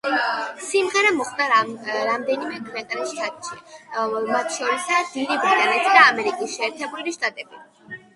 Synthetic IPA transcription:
simʁɛɾamɔχd̪aɾamd̪ɛnimɛkʰʼvɛnt̪ʼɾɛʃt̪ʼat̪ʼʃi | mat̪ʰʃɔɾɛsad̪̥iɾibɾit̪ʼanɛt̪ʰid̪aːmɛɾikʼisʃɛːɾt̪ʰɛbuliʃt̪ʼat̪ʼɛbi

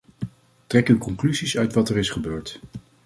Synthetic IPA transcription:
trɛkywkɔŋklyzisœɥtʋɑtɛɹɪsχəbøːɹt

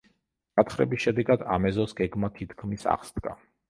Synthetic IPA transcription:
at̪χɾɛ̰bisʃɛd̪ɛɡad̪amɛzɔsɡɛɡmat̪ʰit̪ʰkʰmisa̰χsd̪̥ɡa̰

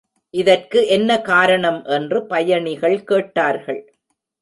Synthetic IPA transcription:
ʔɪðɐrkɯʔɛnːɐkaːɾɐɳɐmʔɛndrɯpɐjɐɳɪɣɐɭkeːʈːaːɾɣɐɭ

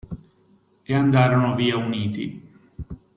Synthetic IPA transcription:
eand̪aːɾonoviːauniːt̪ḭ

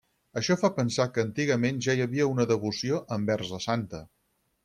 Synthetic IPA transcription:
əʃɔfapənsakəːnt̪iɣəmenʒaiəβiəunəðəβusioʔəmbɛrzəsant̪ə

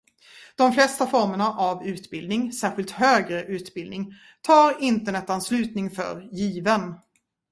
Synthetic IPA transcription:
d̪̥ɔmflɛst̪afɔɾməɳaʔavʉ̟ːt̪bɪld̪nɪŋsæːɾɧɪlt̪høːɡɾəʔʉ̟ːt̪bɪld̪nɪŋ | t̪ʰɑːɾɪnt̪əɳɛt̪ːanslʉ̟ːt̪nɪŋfœ̰ɾjiːvən

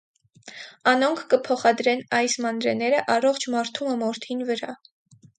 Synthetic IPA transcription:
ɑnɔŋkʰːəpʰɔχɑd̪ɾɛnɑjsmɑnɾɛnɛɾəʔɑrɔχt͡ʃʰmɑɾt̪ʰuməmɔɾt̪ʰinvəɾɑ

